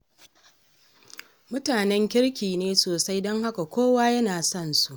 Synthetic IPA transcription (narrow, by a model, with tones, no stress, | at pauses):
mʊ˦taː˨nɛ˦ŋkʲɪ˦ɽkʲiː˨neː˦soː˨sa˦jdɔ˦ŋha˦ka˨kʷoː˦waː˦jɐ˦naː˨sɔ˦˨nsu˦ʔ